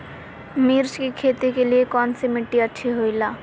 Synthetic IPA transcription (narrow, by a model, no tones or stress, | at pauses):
miɾt͡ʃkikʰeːt̪ikeliekɔːnsemɪʈːiətːʃʰiɦoilaː